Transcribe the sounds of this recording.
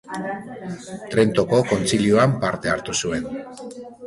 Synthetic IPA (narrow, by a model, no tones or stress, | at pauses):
t̪ɾe̞nt̪o̞ko̞ko̞nt͡silioampaɾt̪e̞aɾt̪usue̞n